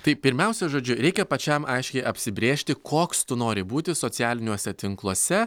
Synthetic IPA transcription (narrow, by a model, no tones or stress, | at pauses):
t̪ɐɪpʲɪɾʲmʲɛʊsʲɛʒoːd͡ʒʲʊɾʲɛɪkʲɛpɐt͡ʃʲɛmɐɪʃʲkʲɛɪʔɐpʲsʲɪbʲɾʲeːʃʲt̪ʲɪkʰoːkst̪ʊnoːɾʲɪbuːt̪ʲɪsoːtsʲɪæːlʲɪnʲuɔsʲɛt̪ʲɪŋklˠuɔːsʲɛ